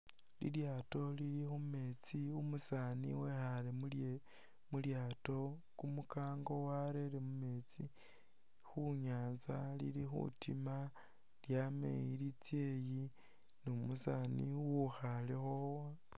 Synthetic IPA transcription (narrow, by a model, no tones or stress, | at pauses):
lḭljaːto̞liɾixume̞t͡siumusanḭwexalem | muljaːto̞kumukaːŋɡo̞waɾelimume̞t͡si | xuɲaːnzalḭɾixṵtima | ljamḛjilit͡sje̞ji | numusanḭwuxalexowa